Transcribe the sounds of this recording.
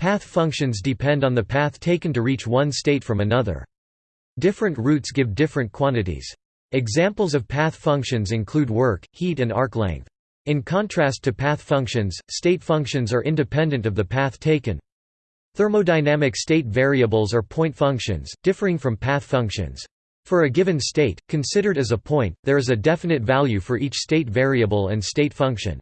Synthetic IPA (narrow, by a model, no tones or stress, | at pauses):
pʰæθfʌ̃ŋkʃɨ̃nzdɨpʰɛ̃ndn̩ðɨpʰæθtʰeɪkɨ̃n̩tɨɹit͡ʃwʌ̃nsteɪtfɹʌ̃mɨnʌðə̰˞ | d̥ɪfɹɨ̃nʔɹʉtsɡ̥ɪvdɪfɹɨ̃nkʰw̥ɑ̃ñɨɾḭz̥ | ɨɡzæ̃mpl̩ˠzʌv̥pʰæθfʌ̃ŋkʃɨ̃nzɨ̃nkʰl̥ʉd̚wɜ˞khiɾɨ̃nɑɹklæ̰̃ŋk̚θ | ɨ̃nkʰɑ̃ntʰɹ̥æstʰɨpʰæθfʌ̃ŋkʃɨ̃nz̥steɪtfʌ̃ŋkʃɨ̃nzə˞ʔɪ̃ndɨpʰɛ̃ndɨ̃ntʌvðɨpʰæθtʰeɪkɨ̰̃n | θɜ˞moʊdaɪnæmɨksteɪtvɛɹiɨbl̩ˠzə˞pʰɔ̃ɪ̃ntfʌ̃ŋkʃɨ̰̃nz̥d̥ɪfə˞ɪ̃ŋfɹʌ̃mpʰæθfʌ̃ŋkʃɨ̰̃nz̥ | fə˞ɨɡɪvɨ̃nsteɪt̚kʰɨ̃nsɪɾə˞ɾɨzəpʰɔ̃ɪ̃nðə˞ɨzɨdɛfɨnɨtvælˠjʉfə˞ʔit͡ʃsteɪtvɛɹiɨbl̩ˠɨ̰̃nsteɪtfʌ̃ŋkʃɨ̰̃n